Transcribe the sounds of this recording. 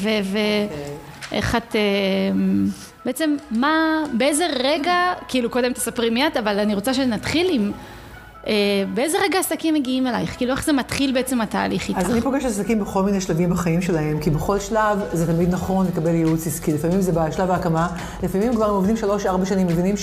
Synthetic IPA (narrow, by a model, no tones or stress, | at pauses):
veve | ʔḛχat̪em | beet͡se̞mːabeeze̞ʁeɡakiiːluko̞d̪emt̪ḁsapʁimjat̪avalaniʁo̞t͡saʃenat̪χilim | ʔebeeze̞ʁeɡaasakimːeɡiime̞lajχkiːlue̞χzematχilbeet͡se̞mata̰ːliχitazanipo̞ɡeʃasakimbeχo̞lminejʃlavimbaχaimʃe̞laɦe̞mkibeχo̞lʃlavzet̪amid̪nɐχo̞nlekabe̞ljeut͡siskilefamimzebaʃlavaːkama | lefamimkvaʁemovdimʃalo̞ʃaʁbaʃanimːevinim